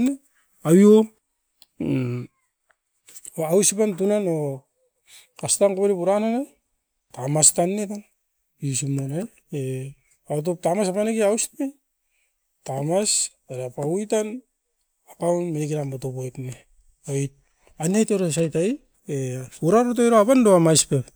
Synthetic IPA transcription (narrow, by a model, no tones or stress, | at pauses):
ne | awio | awsipantunano | kastankoβeɾipuɾanana | tamastanːetan | isimonaj | e | at̬op̚tamasapanekiawsme | tamas | eɾapaujtan | akawnminikiɾambotopojtne | ojt̚ | anajteɾos̬ajtaj | euɾaɾotojɾoapandoamajspep